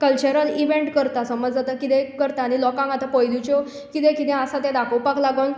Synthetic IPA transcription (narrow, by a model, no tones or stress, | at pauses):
kəlt͡ɕəɾəniʋẽɳʈkəɾt̪asəməd͡zd͡zat̪əkit̪ɛkəɾt̪aːñilɔkãŋɡat̪apəjlut͡ɕɔ | kit̪ẽkit̪ɛ̃əsat̪ɛ̃d̪akʰəwpaklaɡawn